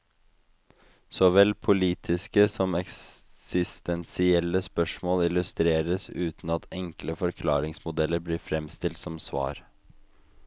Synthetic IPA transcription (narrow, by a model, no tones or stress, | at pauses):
sɔʋɛlpʰʊliːt̪ʰɪskəsɔmɛkssɪst̪ɛnsɪɛlːəspœʂmoːlɪlʉst̪ɾeːɾəsʉːt̪nɑt̪ʰɛŋkləfɔɾkʰlɑːɾɪŋsmʊd̪ɛləɾbliːɾfɾɛmst̪ɪlt̪sɔmsʋɑ̰ːɾ